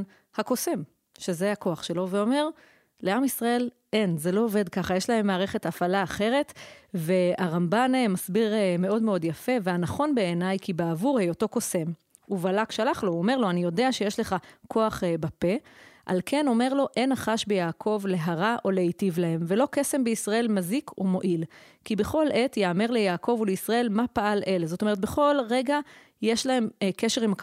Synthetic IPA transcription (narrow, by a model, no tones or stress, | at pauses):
hako̞sem | ʃe̞zeako̞aχʃe̞lo̞veo̞me̞ʁ | le̞amisʁae̞l | ʔenzelo̞ove̞dkaχajeʃlaɦe̞mːaːʁe̞χe̞tafalaːχe̞ʁe̞tve̞aʁambanemasbiʁeme̞o̞dmeo̞djafe̞ve̞anaχo̞nbe̞ːnajkibeavuʁhejo̞to̞ko̞se̞m | uvalakʃalaχlo̞ome̞ʁlo̞anijo̞deaʃe̞jeʃle̞χakʰo̞aχbape̞ʔa̰lkʰe̞no̞me̞ʁlo̞ʔe̞naχaʃbejaːkʰo̞vle̞ɦaʁaʔo̞leitivlahe̞mve̞lo̞kese̞mbeisʁae̞lmazikumo̞ʔilkibeχo̞lʔe̞tjaːmeʁlejaːkʰo̞vuleisʁae̞lmapaʔalʔe̞lezo̞t̪ome̞et̪̬̚be̞χo̞lʁe̞ɡa | jeʃlaɦe̞mkeʃe̞ʁimak